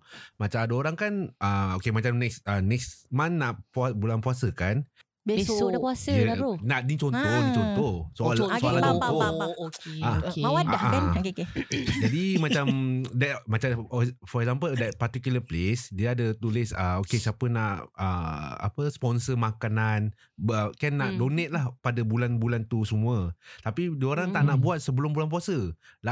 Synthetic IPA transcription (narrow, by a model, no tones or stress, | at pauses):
mat͡ʃamadəoɾaŋkanʔəokemat͡ʃamnɛksənɛksmãnːaʔpabulanpuasəkan | beeodkuasəonaʔdiŋt͡ʃɔnt̪ɔdit͡ʃɔnt̪ɔsoalsoalaɔnɔ | aawaaaankeked͡ʒadimat͡ʃammdɛt̪̚mat͡ʃafɔɾɛkzampəldɛt̪̚part̪ikjuləplesdiəadət̪ulɪsəokesiapənaʔəa̰pəspɔnsəmãkanan | əkɛnːaʔdonet̪̚lahpadabulanbulant̪usəmũət̪apidəoɾaŋt̪aʔnaʔbuat̪̚səbəlʊmbulanp̬uasəla